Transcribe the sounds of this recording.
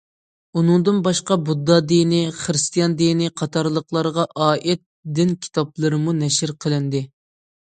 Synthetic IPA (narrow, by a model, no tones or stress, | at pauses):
unɨŋd̪ɨnbɑʃqɑbud̪ːɑd̪ijnɪχəɾɨst̪ijɑnd̪inɪqʰɑt̪ʰɑɾlˠəqlˠɑɾʁɑʔɑːʔɛt̪̚d̪ɪnkʲʰi̥t̪ʰɑp̚lˠɨɾɨmunɛʃɪɾqʰəlˠɨnd̪ɪ